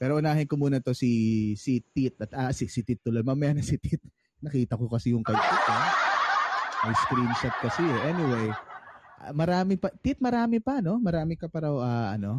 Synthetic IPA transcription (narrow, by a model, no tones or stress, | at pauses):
pɛːɾoʔʊnaːɦɪnkomuːnɐt̪o̞sisit̪it̪̚ʔɐt̪asɪsɪt̪it̪ːʊlod̪mɐmɐjanɐsɪt̪it̪̚ | nɐkiːt̪ɐkokɐsɪjʊŋkɐjʔit̪ɐ | mɐjskɾinʃɐt̪̚kɐsɪɛʔɛnɪwejʔɐ̰mɐɾaːmɪpɐt̪it̪̚mɐɾaːmɪpɐno̞mɐɾaːmɪkɐpɐɾawʔaʔɐ̰no̞